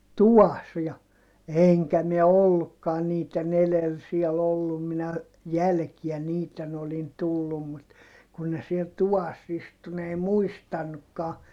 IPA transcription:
tuʋɑs jɑ eˑŋkæ miɛ olːukːɑːn niːtˑen elel siɛl olːum minæ jælkiæ niːtˑen olin tulːum mut kun ne siɛl tuʋɑs istu n ei muistɑnːukːɑː

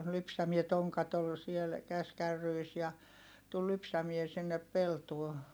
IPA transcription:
lypsæmie toŋkɑt ol siel kæskærːyis jɑ tul lypsæmie sinːep peltuo

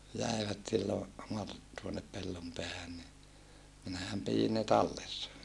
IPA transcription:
jæˑiʋæt silːo mɑr tuonep pelːompeæhæn ni minæhæm pijin ne tɑlːesːɑ

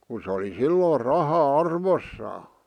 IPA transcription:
ku s oli silːoːr rɑhɑ ɑrʋosːɑː

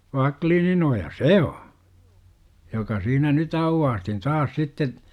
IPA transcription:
ʋɑkliːninojɑ se o jokɑ siːnæ nyt ɑuwːɑːstin tɑːs sitːe

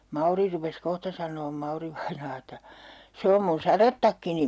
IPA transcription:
mɑuri rupes kohtɑ sɑnˑoːm mɑuriʋɑinɑː etːæ se om mun sɑretːɑkːini

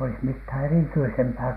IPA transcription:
olis mithæˑ erityisempæː

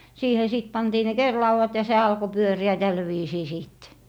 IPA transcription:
siːhe siˑt pɑntiː ne kerlɑuwɑt jɑ se ɑlko pyøriæ tæl ʋiːsiː siˑt

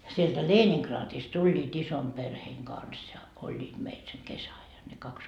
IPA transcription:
sieltæ leːniŋkrɑːtist tulʲːiːt isom perheːŋ ɡ̊ɑns jɑ olʲːiːt meil seŋ kesæɑjɑn ne kɑks

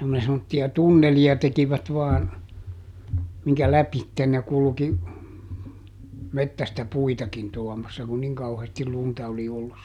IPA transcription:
ku ne semːotːiɑ tunːeliɑ tekiʋæt ʋɑːn miŋkæ læpitːen ne kulki metːæstæ puitɑkin tuɔmɑsːɑ kun niŋ kɑuheːstil luntɑ oli olːus

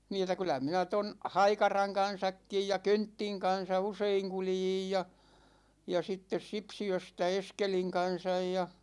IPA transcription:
niː etˑæ kylˑæ minæ ton hɑikɑrɑŋ kɑn̞sɑkːij jɑ køntːiŋ kɑn̞sɑ useiŋ kuljij jɑ jɑ sitːes sipsiøstæ eskeliŋ kɑn̞sɑj jɑ

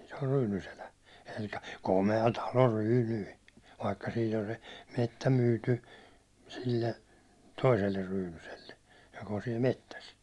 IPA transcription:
se or ryːnyselæ elikæ̥ komeɑ tɑlo ryːnyi ʋɑikːɑ siːt on se metːæ myːty silːe toiselːer ryːnyselːe jok on siɛl metːæs

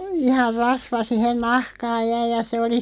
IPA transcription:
ihɑr rɑsʋɑ sihen nɑhkɑːj jæi jɑ se oli

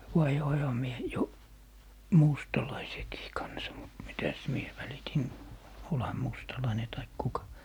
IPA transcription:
ʋɑihoihɑ mie jo mustɑlɑisekiː kɑnsɑ mut mitæs mie ʋælitin olhɑ mustɑlɑine tɑik kukɑ

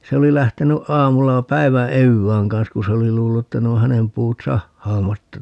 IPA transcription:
se oli læhteny ʔɑːmulːɑ pæi̯ʋæ eʋːæːŋ kɑn̞s ku se oli luːlːu etːæ ne o hænem puːt sɑhːɑːmɑtːɑ

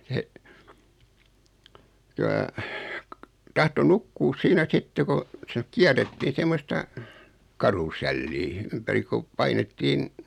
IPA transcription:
se silɑilɑ tɑhto nukːuːs siːnæ sitːe ko se kiærːetːiːn̞ semːostɑ kɑrusɛlːiː ympæri kup̆ pɑinetːiːn

